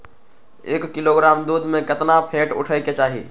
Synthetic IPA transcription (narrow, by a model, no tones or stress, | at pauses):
eːkːɪloɡɾaːmd̪uːd̪ʱmẽkɪt̪napʰẽːʈʊ̰ʈʰəjket͡ʃaːɦḭ